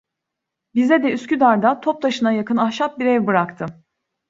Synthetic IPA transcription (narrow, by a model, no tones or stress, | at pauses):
bizɛd̪ɛyscyd̪aɾd̪at̪ʰo̞p̚t̪ʰaʃɯnajakɯnahʃap̚biɾɛjbɯɾakt̪ʰɯ